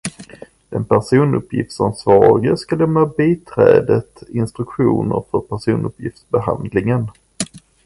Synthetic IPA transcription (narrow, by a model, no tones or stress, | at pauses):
dɛnpʰæʂuːnɵpʰːjɪft̪sansvɑːɾɪɡəskalɛmːabiːt̪ʰɾɛːd̪ət̪ɪnst̪ɾɵkɧuːnə̰ɾfœɾpʰæʂuːnɵpʰjɪft̪sbɛha̰nd̪lɪŋən